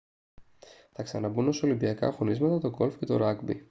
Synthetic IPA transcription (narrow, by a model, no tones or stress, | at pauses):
θɐksɐnɐbuno̞so̞limbiɐkɐ̰xo̞nizmɐt̪ɐt̪o̞ɡo̞lfce̞t̪o̞̰ɾɐɡbi